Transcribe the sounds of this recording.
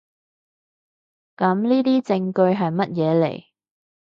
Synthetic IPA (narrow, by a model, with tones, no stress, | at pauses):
kɐ˨˥mniː˥t̪iː˥t͡sɪ˧ŋkɵ˧ɥɦɐ˨jmɐ˥t̚jɛː˨˧lḛ˨˩j